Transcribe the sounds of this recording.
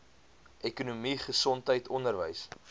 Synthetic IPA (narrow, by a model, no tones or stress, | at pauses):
ʔɛkunumiχəsɔntɦəjtʰɔndərvəjs